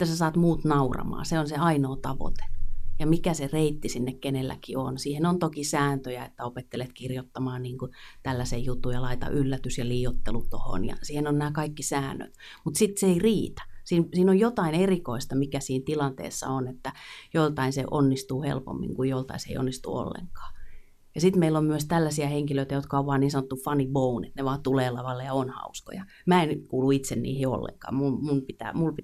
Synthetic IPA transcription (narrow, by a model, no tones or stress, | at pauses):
et̪ːæsesɑːt̪muːt̪nɑurɑ̰mɑ̰ːseonseɑinoːt̪ɑʋo̰t̪e̥jɑmikæsereit̪ːisinːekkenelːæ̰kionsiːhenont̪okisæːnt̪øjæet̪ːæopet̪ːelet̪kirjot̪ːɑmɑːnniːŋkut̪ælːæsejjut̪ːujɑlɑit̪ɑ̰ʔylːæt̪ysjɑliːot̪ːelut̪oho̰njɑ̰siːhenonnæːkɑikːisæːnːø̰t̪ | mut̪sit̪seeiriːt̪æ̥siːnsiːnojjot̪ɑinerikoist̪ɑmikæsiːnt̪ilɑnt̪ḛːsːɑ̰onet̪ːæjolt̪ɑinsḛʔonːist̪uːhḛlpo̰mːḭŋkujjolt̪ɑ̰isḛḭo̰nːist̪ṵo̰lːḛŋkɑ̥ː | jɑsit̪meilːommyøst̪ælːæsiæheŋkiløit̪æjot̪kɑoʋʋɑːnniːnsɑnot̪ːufɑnibounḛt̪neʋɑːt̪uleːlɑʋɑlːejɑonhɑ̰usko̰jɑ | mæenkuːluit̪sennḭːhio̰lːḛŋkɑ̰ːmumunpit̪æ̰ːmulpi